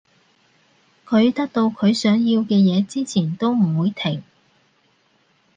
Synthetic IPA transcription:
kʰɵ˨˧ɥt̪ɐ˥k̚t̪o˧wkʰɵ˨˧ɥsœː˨˥ŋjiː˧wkɛː˧jɛː˨˧t͡siː˥t͡sʰiː˨˩nt̪o˥wm̩˨˩wuː˨˧jt̪ʰɪ˨˩ŋ

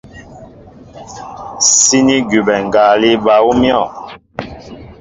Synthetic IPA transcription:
si˦ni˦ɡu˨bɛ˨ŋ˨ɡa˨li˦ba˨u˦mjɔ˦˨

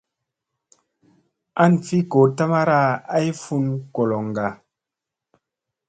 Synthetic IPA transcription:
a˦˨nfi˦ko˨ta˦ma˦ɾa˦a˦i˦fu˦nko˨lɔ˨ŋ˨ɡa˨

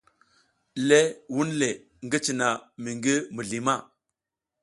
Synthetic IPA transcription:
le˦wu˦nle˨ | ŋɡə˦t͡ʃi˨na˨mi˨ŋɡi˦mə˨ɮi˨ma˦˨

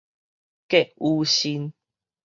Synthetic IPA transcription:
ke˦˨ʔu˧ɕi˧n

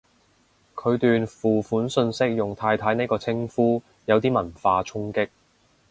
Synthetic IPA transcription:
kʰɵ˨˧ɥt̪yː˨nfuː˨˩fuː˨˥nsɵ˧nsɪ˥k̚jʊ˨ŋt̪ʰaː˧jt̪ʰaː˨˥jne˥jkɔː˧t͡sʰɪ˥ŋfuː˥ | jɐ˨˧wt̪iː˥mɐ˨˩nfaː˧t͡ʃʰʊ˥ŋkɪ˥k̚

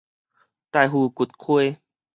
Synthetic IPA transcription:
t̪a˧˨jɦuː˧ku˨˩t̪̚kʰwe˥˦˨

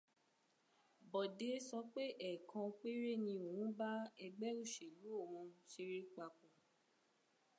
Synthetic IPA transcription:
bɔ˨de˨˦sɔ˧˦k͡pe˦ʔɛ˨kʰã˧k͡pe˦ɾe˦˨nĩ˧o˨wũ˨˦ba˦ɛ˧ɡ͡bɛ˦u˦˨ʃe˨lu˨˦o˦˨wũ˧ʃe˧ɾi˦k͡pa˧k͡pũ˧

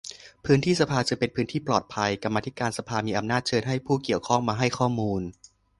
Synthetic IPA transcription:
pʰɯː˦˥nt̪ʰiː˥˩sa˧pʰaː˧t͡ɕɯ˧pe˧npʰɯ˦˥nt̪ʰiː˥˩plɔː˨˩t̪̚pʰa˧jka˧mːa˧t̪ʰi˦˥kaː˧nsa˧pʰaː˧miː˧ʔa˧mnaː˥˩t̪̚t͡ɕʰɤː˧nɦa˥˩jpʰuː˥˩ki˨˩əwkʰɔ˥˩ŋmaː˧ɦa˥˩jkʰɔː˥˩muː˧n

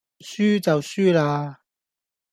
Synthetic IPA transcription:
syː˥t͡sɐ˨wsyː˥laː˧

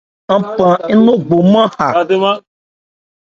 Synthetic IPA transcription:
a˨pã˨˦nõ˦ɡ͡bo˨mã˦ha˨a˨d̪e˦mã˦

